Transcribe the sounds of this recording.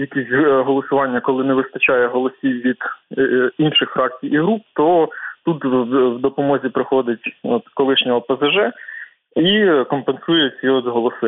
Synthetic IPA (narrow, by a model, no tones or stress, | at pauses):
jɐkʲisʲtʲɦɔlˠɔsʊʋɑnʲːɐkɔlˠɪnɛʋɪst̪ɐt͡ʃɑjɛɦɔlˠɔsʲiwʋʲid̪̥ | inʃɪxfɾɑk̚t͡sʲijiɦɾup̚t̪ɔt̪ut̪wd̪ɔpɔmɔzʲipɾɪxɔd̪ɪtʲɔt̪kɔlˠɪʃnʲɔɦɔpɐzɐʒɛ | ikɔmpensujɛsʲiɔd̪zɦɔlˠɔsɪ